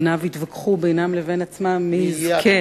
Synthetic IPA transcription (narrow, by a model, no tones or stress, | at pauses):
navit̪vakχubejnamlevenat͡smamːizkʰe